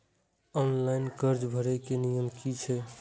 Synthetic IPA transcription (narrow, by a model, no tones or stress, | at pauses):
ɔnlainkəɾd͡ʒbʱəɾekenijəmkit͡ʃʰɛ